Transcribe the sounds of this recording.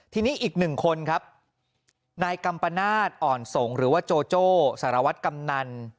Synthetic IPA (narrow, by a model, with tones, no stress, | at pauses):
t̪ʰiː˧niː˦˥ʔiː˨˩k̚nɯ˨˩ŋkʰo˧nkʰa˦˥p̚ | naː˧jka˧mpa˧naː˥˩t̪̚ʔɔː˨˩nso˩˦ŋɾɯː˩˦waː˥˩t͡ɕoː˧t͡ɕoː˥˩sa˩˦ɾa˧wa˦˥t̪̚ka˧mna˧n